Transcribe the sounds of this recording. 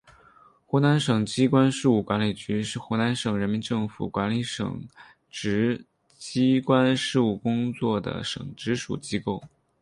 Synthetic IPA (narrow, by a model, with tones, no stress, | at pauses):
xu˧˥na˧˥nʂɤ˨˩ŋt͡ɕi˥kwa˥nʂɻ̩˥˧u˥˩kwa˧˥nli˨˩t͡ɕy˧˥ʂɻ̩˥˩˧xu˧˥na˧˥nʂɤ˨˩ŋɻə˧˥nmi˧˥nʈ͡ʂɤ˥˩ŋfṵ˨˩kwa˧˥nli˧˥ʂɤ̰˨˩ŋ | ʈ͡ʂɻ̩˧˥ | t͡ɕi˥kwa˥nʂɻ̩˥˧u˥˩kʊ˥ŋt͡swɔ˥˩d̪ə̰˩ʂɤ̰˨˩ŋʈ͡ʂɻ̩˧˥ʂṵ˨˩t͡ɕi˥ko˥˩ʊ